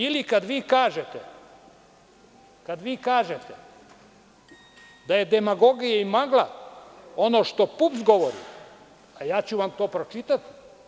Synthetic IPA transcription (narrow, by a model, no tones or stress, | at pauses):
ilikad̪ʋiːkaːʒet̪e | kad̪ʋiːkaːʒet̪e | d̪aje̞d̪e̞maɡo̞ɡijeimaɡlˠa̰ | o̞no̞ːʃt̪o̞pupzɡo̞ʋoɾḭ | ajaːt͡ɕuʋamt̪o̞ːpɾot͡ʃit̪at̪